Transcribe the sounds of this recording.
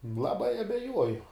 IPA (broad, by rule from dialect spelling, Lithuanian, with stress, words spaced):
lˠɐˈbɐɪ ɐbʲɛˈjuɔjʊ